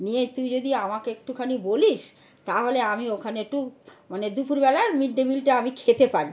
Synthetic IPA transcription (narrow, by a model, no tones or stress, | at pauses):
niet̪ujd͡ʑod̪iamakeek̚ʈukʰaniboliʃ | t̪aɦoleamiokʰaneek̚ʈumaned̪upuɾbɛlaɾmiɖːemilʈaamikʰet̪epaɾi